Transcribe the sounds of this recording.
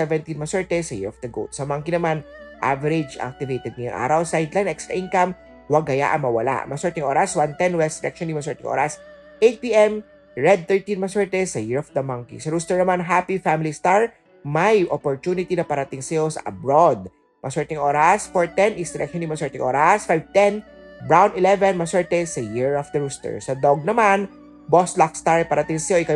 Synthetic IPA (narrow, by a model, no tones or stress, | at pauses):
sɛvɛnt̪inmɐsɛɹt̪ɛsɐjɪ̰ɹɔfd̪ɐɡo̰t̪sɐmɐŋkinɐmanʔa̰vɛɾɪd͡ʒʔa̰k̚t̪ɪvejt̪ɛd̪̚nɪjʊŋʔa̰ːɾɐwsajd̪lajnʔɛkst̪ɾɐ̰ʔĩnkɐm | wɐɡɐja̰ʔɐ̰ŋmɐwɐla̰ʔmɐsɛɹt̪ɪŋʔoːɾɐswant̪ɛnwɛsd̪ɪɾɛk̚ʃɔnjɪmɐsɛɹt̪ɪŋʔo̰ːɾɐs | ʔejt̪̚piʔɛm | ɹɛd̪̚θɛɹt̪ĩnmɐsɛɹt̪ɛsɐjɪɹɔfd̪ɐmɐŋkḭsɐɾust̪ɔɹnɐmanɦapifamɪlist̪aɹ | mɐjʔɔpɔɹt̪unɪt̪inɐpɐɾɐt̪ɪŋsɐjo̞sɐ̰ʔɐ̰bɹod̪̚ | mʔɐsɛɹt̪ɪŋʔoːɾɐsfɔɹt̪ɛnʔɪsd̪ɪɾʔɛkʃɔnjɪmɐsɛɹt̪ɪŋʔo̰ːɾɐsfajv̚t̪ɛn | bɹawnɪlɛvɛnmɐsɛɹt̪ɛsɐjiɹɔfd̪ɐɹust̪ɛ̰ɹsɐd̪oɡ̚nɐman | boslak̚st̪aɹpɐɾɐt̪ɪŋsɐjoʔɪka